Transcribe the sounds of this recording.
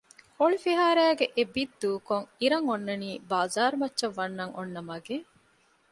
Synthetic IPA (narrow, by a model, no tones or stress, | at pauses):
hoɭifiɦaːɾæːɡeʔebid̪d̪uːkoŋiɾɐŋonːɐniːbaːzaːɾumɐtːʃɐʋːɐnːɐŋo̰nːɐmɐɡe